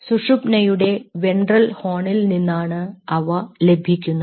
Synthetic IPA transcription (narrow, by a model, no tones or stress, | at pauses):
suʂupnɐjuɽe̞ʋe̞ɳɖrɐlho̞ːɳilninːaːɳɨɐʋɐle̞bʱikʲːunːɐ